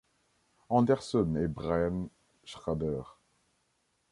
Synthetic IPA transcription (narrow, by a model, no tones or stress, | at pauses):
ɑ̃d̪ɛʁsɔnebʁajan | ʃʁabɛːʁ